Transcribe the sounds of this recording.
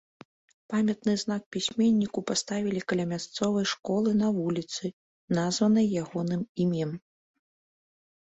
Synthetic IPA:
pamʲɐt̪nɨznak̚pʲisʲmʲenʲːikupast̪avʲilʲikɐlʲɐmʲast̪sɔvɐjʂkɔlˠɨnɐvulʲit̪sɨ | nazvɐnɨjjaɣɔnɨmimʲjɛm

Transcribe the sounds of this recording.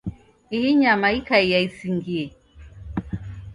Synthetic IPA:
ihiɲamaikaijaisiŋɡiɛ

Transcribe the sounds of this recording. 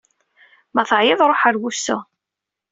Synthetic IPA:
mæθəʕjɪðˤɾˤoħəɾwusʊ̰

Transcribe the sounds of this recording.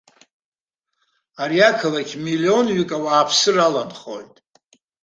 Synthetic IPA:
aɾiakʰalakʲʰmilio̞nɥikʼawaːpʰsɨralanχo̞̰jtʼ

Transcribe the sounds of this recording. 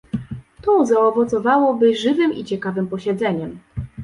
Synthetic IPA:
t̪ɔzaɔvɔt̪sɔvawɔbɘʐɘvɘmit͡ɕɛkavɘmpɔɕɛd̪zɛɲɛm

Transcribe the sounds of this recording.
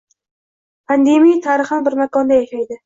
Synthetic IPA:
pʰand̪emijt̪ʰaɾɨχbɪɾmakɒnd̪ajaʃajd̪ɪ

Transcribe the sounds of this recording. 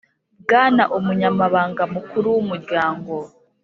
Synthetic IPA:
bɡaːnaʔumuɲamaβaːŋɡamukuɾuwumuɾɟaːŋɡo̞

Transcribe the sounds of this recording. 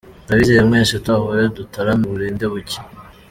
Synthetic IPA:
daβizejemŋeːnʃatahoɾedutaɾamuβuɾeːndeβuci̥

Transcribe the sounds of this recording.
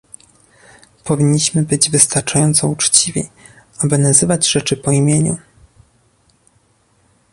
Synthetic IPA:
pʰɔvʲiɲːiɕmɘbɘd͡ʑvɘst̪aɾt͡ʂajɔnt̪sɔut͡ʂt͡ɕivʲḭ | abɘnazɘvad͡ʑʐɛt͡ʂɘpɔimʲjeɲṵ

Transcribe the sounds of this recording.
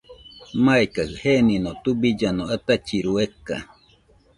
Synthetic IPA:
majkahheninot̪ubid͡ʒanoat̪at͡ʃiɾueka̰

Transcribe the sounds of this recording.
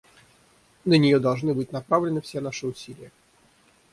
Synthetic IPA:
nənʲɪjod̪ɐlˠʐnɨbɨtʲnɐpɾavlʲɪnɨfsʲenaʂɨʊsʲilʲɪjə

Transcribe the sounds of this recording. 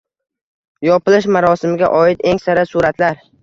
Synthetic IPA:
jɒpɪlɪʃmaɾɒsɪmɪɡʲaʔɒɪt̪e̞ŋsaɾasuɾat̪laɾ

